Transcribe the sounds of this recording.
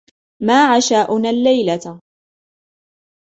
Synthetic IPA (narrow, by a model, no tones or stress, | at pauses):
maːʕaʃaːʔʊnalːajla